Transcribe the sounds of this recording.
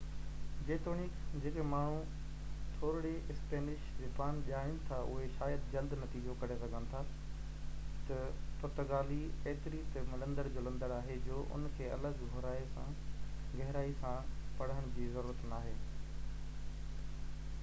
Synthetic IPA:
d͡ʑeːt̪oːnikd͡ʑeːkemaːɳ̤̃u | t̪ʰoːɾɽeɪspeːnɪʃd͡ʑeːpaːnʄaːɪnɪ̆t̪ʰaʔʊ̰ɦeʃaːjəd̪d͡ʑɐld̪nɐt̪iːd͡ʑokɐɾesɐɡʱənɪ̆t̪ʰa | t̪ɐp̪ɐt̪əɡaːlieɦɪt̪ɪɾit̪mɪlə̃nd̪əɾd͡ʑoːlɐ̃nd̪əɾaːɦed͡ʑoːʔʊ̰nkʰeːɐ̰ləɡɡʱoɾaːesã | ɡɐɦɪɾaːisãpɐɽ̤əɽ̃̆d͡ʑiːzɐɾuːɾət̪naːɦeː

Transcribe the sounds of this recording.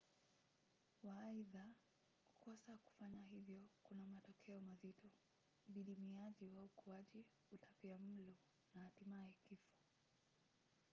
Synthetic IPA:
waːiða | ku̥kɔsaku̥faɲaɦivjɔkunamatɔkʰɛɔmazitɔ | ɓiɗimiaʄiwaukuaʄi | utʰapiam̩lɔ | nahatimaɛkifɔ̥

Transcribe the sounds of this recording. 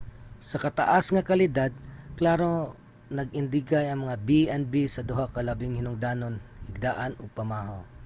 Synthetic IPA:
sɐkɐt̪ɐ̰ʔasŋɐkɐlɪd̪ad̪̚klaːɾo | nɐɡɪnd̪ɪɡajɐŋmɐŋabiʔɛnbisɐd̪ʊɦakɐlɐbɪŋhɪnʊŋd̪aːnonhɪɡ̚d̪aːʔɐnopɐmaːɦaw

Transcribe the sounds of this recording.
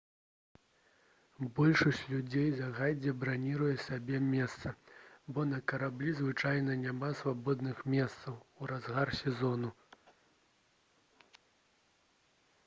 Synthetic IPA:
bɔlʲʂɐsʲt͡sʲlʲud͡zʲejzaɣad͡zʲɛbɾanʲiɾɐjɛsabʲɛmʲɛst̪sɐbɔnɐkɐɾablʲizvɨt͡ʂajnɐnʲamasvabɔd̪nɨxmʲɛst̪sɐwuɾazɣarsʲɛzɔnu

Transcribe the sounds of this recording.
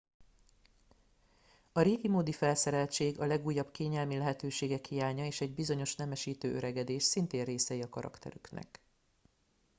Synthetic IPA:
ɒɾeːɡimoːd̪ifɛlsɛɾɛlt͡ʃeːɡɒlɛɡuːjːɒbkeːɲɛlmilɛɦɛt̪øːʃeːɡɛkhijaːɲɒeːʃɛɟbizo̞ɲo̞ʃnɛmɛʃiːt̪øːʔøɾɛɡɛd̪eːʃsint̪eːrreːsɛiɒkɒɾɒ̰kt̪ɛ̰ɾyknɛ̰k

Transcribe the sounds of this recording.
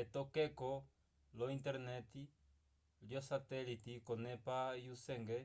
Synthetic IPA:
ɛt̪ɔkɛkɔ | lɔint̪ɛɾnɛt̪i | ljɔsat̪ɛlit̪ikɔnɛpajusɛŋɡɛ

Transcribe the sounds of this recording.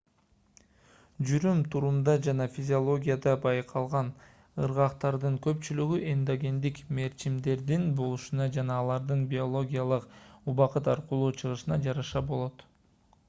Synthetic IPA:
d͡ʒyɾymt̪ʰuɾumd̪ɑd͡ʒɑnɑfʲizʲɪo̞lˠo̞ɡʲijad̪ɑbɑjqʰɑlˠʁɑn | ɯɾʁɑqt̪ɑɾd̪ɯŋkø̞pt͡ʃylyɡyʔend̪oɡʲe̞nd̪ikme̞ɾt͡ʃimd̪e̞ɾd̪inbo̞lˠuʃunɑd͡ʒɑnɑːlˠɑɾd̪ɯnbʲio̞lˠo̞ɡʲijalˠɯquβɑqɯt̪ɑɾqulˠuːt͡ʃʰɯʁɯʃɯnɑd͡ʒɑɾɑʃɑbo̞lˠo̞t̪

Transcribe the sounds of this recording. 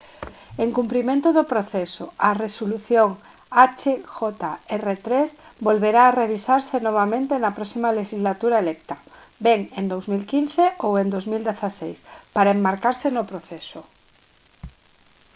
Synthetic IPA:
eŋkumplimẽnt̪ʊðopɾoθesoaresoluθjoŋ | at͡ʃexɔt̪aɛret̪ɾesbolβeɾaːreβisaɾsenoβ̞amẽnt̪enɐpɾɔsimaleʃizlat̪uɾaelɛk̚t̪ɐ | bɛŋend̪owzmilkinθeʔowend̪ozmild̪eθasejspaɾaembaɾkaɾsenopɾoθɛso

